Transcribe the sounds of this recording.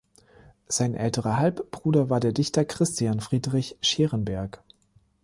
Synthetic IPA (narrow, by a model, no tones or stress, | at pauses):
z̥aɪnʔɛ̰ltəʁɐhalpb̥ʁuːdɐvaːɐdeːɐdɪçtɐkʁ̥ɪstjanfʁ̥iːdʁɪçʃeːʁənbɛɐk